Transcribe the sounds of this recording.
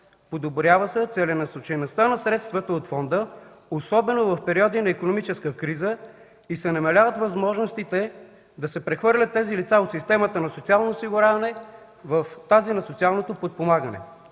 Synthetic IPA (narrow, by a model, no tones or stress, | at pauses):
pod̪obɾjavəsɛt̪sɛlʲɛnɐsot͡ʃɐjnost̪anɐsɾɛt̪st̪vət̪əot̪fɔnd̪əosɔbɛnovɐfpɛɾiɔd̪inɐikonomit͡ʃɛskəkɾizə | isɛnɐmɐlʲavət̪vɐzmɔʒnost̪it̪ɛ | d̪ɐsɛpɾɛxvɤɾlʲət̪ːɛzilit̪saot̪sist̪ɛmət̪ənɐsot̪sialˠnosiɡʊɾavɐnɛ | vəft̪azinɐsot̪sialˠnot̪opot̪̚pomaɡənɛ̰